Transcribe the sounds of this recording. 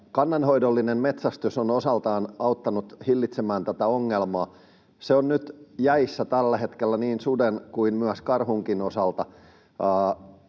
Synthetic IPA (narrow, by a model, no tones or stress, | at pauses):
kɑnːɑnhoidolːinemmet̪sæst̪ysonosɑlt̪ɑːnɑut̪ːɑnut̪hilːit̪semæːnt̪æt̪æoŋːelmɑː | seonnyt̪jæisːæt̪ælːæhet̪kelːæniːnsudenkuimmyæskɑrhuŋkinosɑlt̪ɑː